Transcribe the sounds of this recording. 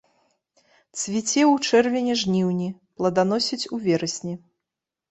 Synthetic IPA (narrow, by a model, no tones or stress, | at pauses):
t̪svʲit͡sʲɛwut͡ʂɛrvʲɛnʲɛʐnʲiwnʲiplˠɐd̪an̪ɔsʲit͡sʲuvʲɛɾɐsʲnʲi